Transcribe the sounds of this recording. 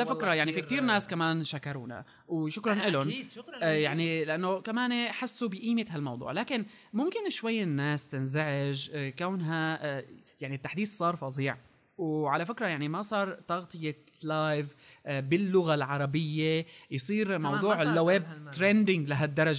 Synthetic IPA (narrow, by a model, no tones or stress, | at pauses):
lafɪkɾˤɑjaʕnifik̚t̪iːɾnaːskamaːnʃakɑɾˤṵːna̰ | wʃʊkɾˤɑnʔɪlʊnjaʕnilɪʔanːokamaːneħasːubɪʔiːmɪt̪ɦalmɑwd̪ˤṵːʕlaːkɪn | mʊmkɪnʃwajːɪnːaːst̪ɪnzaʕɪʒkawnɦa | jaʕnit̪ːaħd̪iːθsˤɑːɾˤfɑzˤiːʕ | wʕalafɪkɾˤɑjaʕnimasˤɑːɾˤt̪ɑɣt̪ˤɨje | lajv | bɪlːʊɣalʕɑɾˤɑbɪjːejsˤiːɾmɑwd̪ˤuːʕɪlːweːb̚t̪ɾend̪ɪŋɡlaɦad̪ːɑɾˤɑʒe